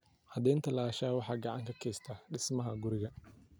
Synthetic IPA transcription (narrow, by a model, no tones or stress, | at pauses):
hɐd̪ɛːnt̪ʰɐlaːʃaːwɑħɑːɡɑʕɑ̰ŋkʰɐkʰɛːst̪ʰaɖɪsmɐɦɐɡʊɾɪɣɐ